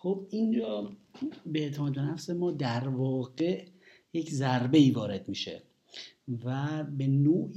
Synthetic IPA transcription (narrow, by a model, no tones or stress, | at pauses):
xob̚ind͡ʒɒː | beeʔt̪ʰemɒːd̪̚benæfse̞mɒːd̪æɾvɒːɢe | je̞cʰzæɾbe̞iːvɒːɾe̞d̪miːʃḛ | væbe̞noː